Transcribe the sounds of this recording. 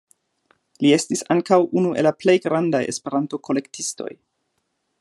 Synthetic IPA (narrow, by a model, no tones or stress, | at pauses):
lie̞stisaŋkawʔunuʔelaple̞jɡɾandaje̞̰spe̞ɾanto̞kʰo̞le̞ktʰisto̞̰j